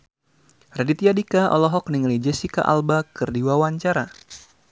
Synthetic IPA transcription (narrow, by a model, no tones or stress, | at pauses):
radit̪iadikaʔɔ̰lɔɦɔk̚niŋlid͡ʒɛsika̰ʔa̰lbakɨrdiwawaɲt͡ʃaɾa